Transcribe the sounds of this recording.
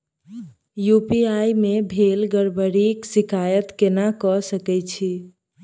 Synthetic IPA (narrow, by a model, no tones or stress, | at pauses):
jupiajmebʱelɡəɾbəɾiksikajət̪kenakɔsəkɛt͡ʃʰi